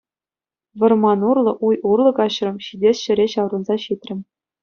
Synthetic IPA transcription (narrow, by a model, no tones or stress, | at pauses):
ʋɤ̆rmɑnurlˠɤ̆ʔujurlˠɤ̆ɡɑɕrɤ̆mɕidʲesʲɕɘ̆ɾʲeɕɑwrɤ̆nzɑɕit̪ʲrʲɘ̆mʲ